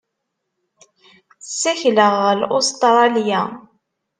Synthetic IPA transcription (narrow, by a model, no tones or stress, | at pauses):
sːæçləʁəlost̪ɾˤɑlja